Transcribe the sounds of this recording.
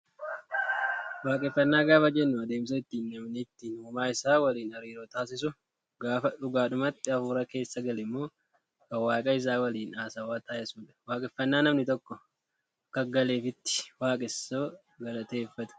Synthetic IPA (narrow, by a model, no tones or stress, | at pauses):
waːkʼɛfːɐnːaːɡaːfɐd͡ʒɛnːʊɐd̪e̞ːms̬oɪt̪ːiːnːɐmnɪt̪ːinuːmaːɪsaːwɐliːnɐɾiːɾoːt̪aːs̬ɪs̬ʊ | ɡaːfɐᶑʊɡaːᶑʊmɐt̪ːɪɐfuːɾɐke̞ːsːɐɡɐlɪmːo̞ː | kɐwaːkʼɐɪs̬aːwɐliːnaːsɐwaːt̪aːʔɛsuːᶑɐ̥waːkʼɛfːɐnːaːnɐmnɪt̪ɔkːɔ | ɡ̥ɐɡɐle̞ːfɪt̪ːɪ̥waːkʼɪsoː | ɡɐlɐt̪e̞ːfːɐt̪ʊ̥